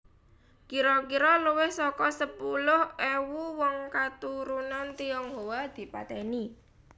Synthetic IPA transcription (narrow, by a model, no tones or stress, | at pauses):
kiɾɔkiɾɔluwɪhsɔkɔsəpulʊhɛwuwɔŋkat̪uɾunant̪iɔŋɦowad̪̥i̤pa̰t̪ɛni